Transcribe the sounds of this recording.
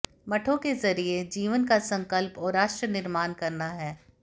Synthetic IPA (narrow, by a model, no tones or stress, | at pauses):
mɐʈʰõkezɐɾied͡ʒiːʋənkasɐ̃ŋkəlpɔːɾːaːʃʈɾənɪɾmaːnkɐɾnaɦɛː